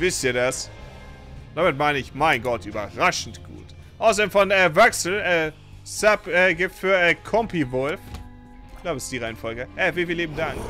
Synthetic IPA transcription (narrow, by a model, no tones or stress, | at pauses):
vɪstiːɐdas | d̥amɪtmaɪnəɪçmaɪnɡɔtʔyːbɐʁaʃn̩tɡ̥ṵːt | ʔaʊsɐdeːnfɔnɛvɛksl̩ɛ | sɛpʔɛːɡɪp̚tfyːɐɛːkʰɔmpivʊlf | klaʊbəsɪstd̥iːʁaɪnfɔlɡəʔɛfiːlfiːliːb̚m̩daŋk